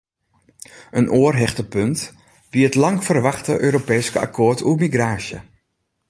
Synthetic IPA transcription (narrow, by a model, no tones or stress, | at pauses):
ənʔoərɦɛχtəpønt | biətlɑŋfərʋɑχtəʔøːɾopɛːskəa̰kʰoːrtʰuəmiɡraːsjə̰